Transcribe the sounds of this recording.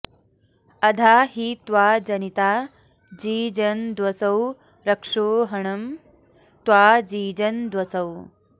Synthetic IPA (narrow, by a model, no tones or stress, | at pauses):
ɐd̪ʱaːɦit̪ʋaːd͡ʒɐnit̪aː | d͡ʒiːd͡ʒɐnd̪wɐsɐw | ɾɐkʂoːɦɐɳɐm | t̪waːd͡ʒiːd͡ʒɐnd̪wɐsɐw